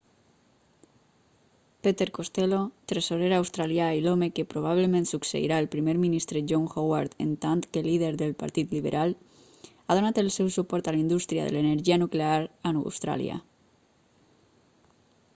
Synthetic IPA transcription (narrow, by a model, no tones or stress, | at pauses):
pet̪eɾkost̪elot̪ɾesoɾeɾawst̪ɾaljailomekepɾoβ̞aβ̞lemẽnt̪suksḛḭɾaelpɾimeɾminist̪ɾeʒoŋxowaɾt̪ḛnt̪ant̪keliðeɾðelpa̰ɾt̪it̪liβḛɾʔal | aðonat̪elsɛwsupɔɾt̪alind̪ust̪ɾia̰ðḛleneɾʒianukleaɾanṵwst̪ɾa̰lj̰a̰